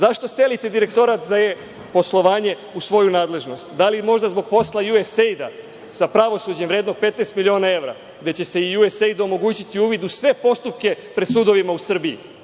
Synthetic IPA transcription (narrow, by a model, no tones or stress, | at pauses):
zaʃt̪o̞se̞lit̪ed̪iɾe̞k̚t̪o̞ɾat̪zae | po̞slˠo̞ʋaːɲe̞ | usʋo̞junaːd̪le̞ʒno̞st̪d̪alimo̞ʒd̪azbo̞ɡ̚po̞slˠajuesejd̪a | sapɾaʋo̞suːd͡ʑemʋɾeːd̪no̞ɡ̚pet̪neːst̪milʲio̞ːnae̞ʋɾa̰ | ɡd̪e̞t͡ɕe̞se̞ijuese̞jd̪uomo̞ɡuːt͡ɕit̪iuːʋid̪usʋe̞po̞st̪up̚ke̞pɾesuːd̪o̞ʋimausr̩biḭ